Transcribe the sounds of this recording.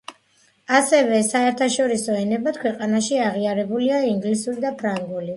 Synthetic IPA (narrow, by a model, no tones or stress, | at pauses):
asɛvɛsaɛɾt̪ʰaʃɔɾisɔɛnɛbat̪̚kʰwɛqʼanaʃiaʁiaɾɛbuliaiŋɡlisuɾid̪apʰɾaŋɡuli